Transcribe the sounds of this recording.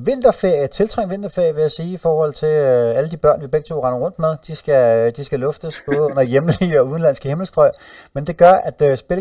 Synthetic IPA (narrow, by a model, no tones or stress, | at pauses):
ʋe̝n̰d̥ɐfeɐ̰jt͡sʰe̝lt͡sʰʁɑ̈ŋ̰ʋe̝n̰d̥ɐfe̝ɐ̰jʋe̝jæsiːifɒːhɒ̽l̰t͡sʰe̝læləd̥ib̥ɶɐ̰nʋib̥eɡ̥̚t͡sʰo̝̰ːʁɑ̈nɐʁɔ̽n̰d̥með̞ˠd̥isɡ̥æd̥isɡ̥ælɔ̽fd̥əsb̥ɔ̽ːðˠɔ̽n̰ɐjeml̩iɒuð̞ˠnlæn̰sɡ̥əheml̩sd̥ʁɒ̽ɪ̰ | mend̥e̝ɡ̥ɶɐʔæd̥sb̥e̝l